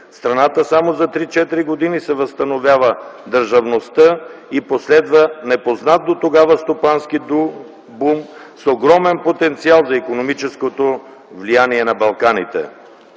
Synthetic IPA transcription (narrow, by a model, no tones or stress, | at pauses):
st̪ɾɐnat̪əsamozɐt̪ɾit͡ʃɛt̪iɾiɡod̪inisɛvɐst̪ɐnovʲjavəd̪əɾʒɐvnost̪əiposlɛd̪vənɛpoznat̪̚d̪ot̪oɡavəst̪opanskiu | bumsoɡɾɔmɛnpot̪ɛnt̪sialˠzɐikonomit͡ʃɛskot̪o | vlijaniɛnɐbɐlˠkanit̪ɛ̰